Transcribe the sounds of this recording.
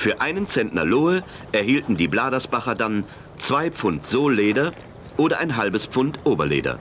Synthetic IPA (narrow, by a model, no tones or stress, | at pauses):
fyːɐʔaɪnənt͡sɛntnɐ̰loːə | ʔɛɐɦiːltn̩diːblaːdɐsb̥aχɐdan | t͡sv̥aɪp͡fʊntz̥oːlːeːdɐ | ʔoːdɐʔaɪnɦalbəspp͡fʊntʔoːbɐlḛːdɐ̰